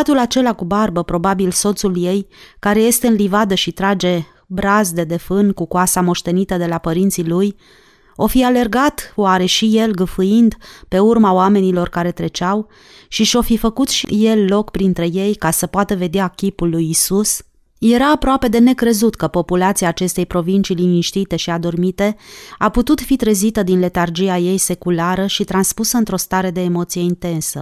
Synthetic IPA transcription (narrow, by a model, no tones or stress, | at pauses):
at̪ulat͡ʃe̞lakubarbəpɾo̞babilso̞t̪sulje̞jkaɾe̞je̞st̪e̞ɨnlivad̪əʃit̪ɾad͡ʒe̞ | bɾazd̪e̞d̪e̞fɨnkukoasamo̞ʃt̪e̞nit̪əd̪e̞lapəɾint̪siluj | o̞fiale̞rɡat̪oaɾe̞ʃije̞lɡəfuind̪pe̞urmaoame̞nilo̞rkaɾe̞t̪ɾe̞t͡ʃaw | ʃiʃo̞fifəkut̪ʃḭje̞lːo̞kpɾint̪ɾe̞je̞jkasəpoat̪əve̞d̪eakʲipulːujisus | je̞ɾaːpɾoape̞d̪e̞ne̞kɾe̞zut̪kəpo̞pulat̪siaːt͡ʃe̞st̪e̞jpɾo̞vint͡ʃilimiʃt̪it̪e̞ʃiad̪o̞rmit̪e̞aput̪ut̪fit̪ɾezit̪əd̪inle̞t̪ard͡ʒiaje̞jse̞kulaɾəʃit̪ɾanspusəɨnt̪ɾo̞st̪aɾe̞d̪e̞ːmo̞t̪sije̞int̪e̞nsə̰